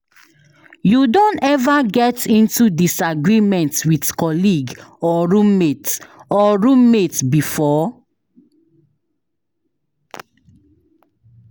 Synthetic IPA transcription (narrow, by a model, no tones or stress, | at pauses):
judõnɛvaɡɛtĩntudisaɡɹimɛ̃ntwitkɔliɡɔɹũmːetɔɹũmːetbifɔ